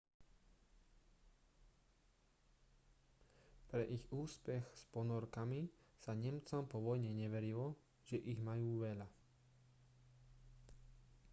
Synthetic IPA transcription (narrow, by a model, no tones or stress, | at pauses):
pɾɛʔiɣuːspɛxspɔnɔɾkami | saɲɛmt͡sɔmpɔʋɔjɲɛɲɛʋɛɾilɔ | ʒ̥ɛʔiɣmajuːʋɛʎa